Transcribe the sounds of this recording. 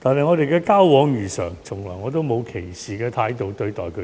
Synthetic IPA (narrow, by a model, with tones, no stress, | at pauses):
t̪ʰaː˨nɦɐ˨˩ŋɔː˨˧ɾe˨jkɛː˧kaː˥wwɔː˨˧ŋjyː˨˩sœ̰ː˨˩ŋt͡sʰʊ˨˩ŋlɔː˨jŋɔː˨˧t̪o˥wmo˨˧wkʰe˨˩jsiː˨kɛː˧t̪ʰaː˨˧˥jt̪o˨wt̪ɵ˧ɥt̪ɔː˨jkʰɵ˨˧